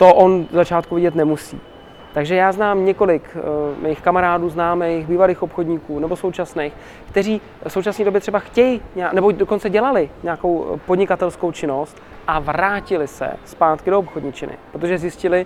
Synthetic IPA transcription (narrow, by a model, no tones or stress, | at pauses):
t̪oʔonzat͡ʃaːt̪kuvɪɟɛt̪nɛmusḭː | t̪aɡʒɛjaːznaːmɲɛko̞lɪkmɛjɪxkamaɾaːduːznaːmɛjjɣbiːvaliːxo̞pxo̞dɲikuːnɛbo̞so̞wt͡ʃasnejx | kt̪ɛriː | so̞wt͡ʃasniːdo̞bjɛt̪r̥ɛbaxcɛjɪɲanɛbodo̞ko̞nt͡sɛɟɛlalɪɲako̞wpodɲɪkat̪ɛlskowt͡ʃɪno̞st̪̚ | ʔavɾaːcɪlɪsɛ̰spaːt̪kɪdo̞opxodɲit͡ʃɪnɪ̰pɾot̪oʒɛzjɪscɪlɪ